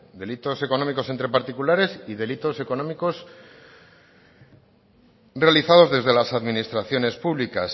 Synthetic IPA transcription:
d̪e̞lit̪o̞se̞ko̞no̞miko̞se̞nt̪ɾe̞paɾt̪ikulaɾe̞siðe̞lit̪o̞se̞ko̞nomiko̞s | realiθað̞o̞zðe̞zðe̞lasaðminist̪ɾaθjo̞ne̞spuβlikas

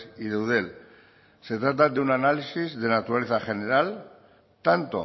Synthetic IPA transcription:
iðe̞wð̞e̞l | se̞t̪ɾat̪̬ad̪eunanalisizðe̞nat̪uɾale̞θaxe̞ne̞ɾal | t̪ant̪o̰

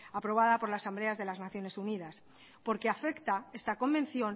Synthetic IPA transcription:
apɾo̞β̞aðapo̞ɾlaːsamble̞azðe̞laznaθjo̞ne̞sunið̞as | po̞ɾke̞afe̞kt̪ae̞st̪ako̞mbẽ̞nθjo̞n

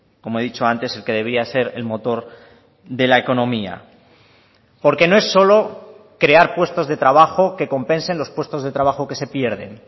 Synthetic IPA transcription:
ko̞moe̞ðit͡ʃo̞ant̪e̞se̞lke̞ðe̞βɾiase̞ɾe̞̰lmo̞t̪o̞ɾ | ðe̞lae̞ko̞nõ̞mia̰ | po̞ɾke̞no̞e̞sːo̞lo̞ | kɾe̞aɾpwe̞st̪o̞zðe̞t̪ɾaβ̞axo̞ke̞ko̞mpẽ̞nse̞nlo̞spwe̞st̪o̞zðe̞t̪ɾaβaxo̞ke̞se̞pje̞ɾðe̞̰n

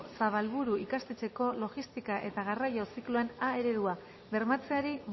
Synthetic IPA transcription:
saβ̞alβuɾuikast̪e̞t͡se̞ko̞lo̞ɣist̪ikaʔe̞t̪aɣ̞arajo̞sikloenae̞ɾe̞ðua | βe̞ɾmat͡se̞aɾi

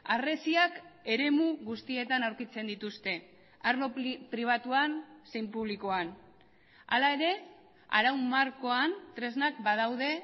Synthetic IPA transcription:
are̞siake̞ɾe̞muɣust̪ie̞t̪anawɾkit͡se̞nd̪it̪ust̪e̞ | aɾlo̞pɾiβ̞at̪uanse̞jmpuβ̞liko̞an | a̰lae̞ɾe̞ | a̰ɾawmːaɾko̞ant̪ɾe̞znakbað̞awðe̞

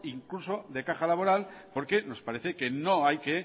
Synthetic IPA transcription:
iŋkluso̞ðe̞kaxalaβo̞ɾalpo̞ɾke̞no̞spaɾe̞θe̞ke̞noajke

